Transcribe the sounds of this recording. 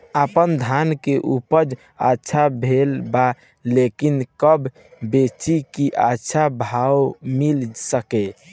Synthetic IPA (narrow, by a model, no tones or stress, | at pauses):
əpənd̪ʱankeʔupəd͡ʒ | ətːʃʰabʱelba | lekinkəb | bet͡ʃikiʔatːʃʰabʱawmilsəke